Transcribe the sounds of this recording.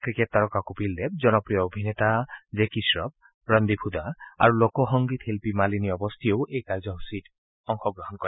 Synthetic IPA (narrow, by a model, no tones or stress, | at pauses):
kɹiket̪̚ːaɹɔkakupild̪eb̚d͡ʒɔnɔpɹijɔobʱinet̪ad͡ʒekisɹɔb̚ | ɹɔnd̪ibʰʱud̪aa̰ɹulokɔɦɔŋɡit̪helpimaliniɔbɔst̪ʰijowʔejkaɹd͡ʒɔɦusid | ɔŋxɔɡɹɔɦɔnkɔɾe